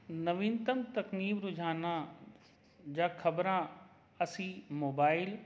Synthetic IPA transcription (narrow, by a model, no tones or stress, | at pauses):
nɐʋĩːnt̪ɐmt̪ɐkniːfɾʊd͡ʒʱaːnã | d͡ʑaːkʰɐbɾã | ɐsiːmoːbaːɪl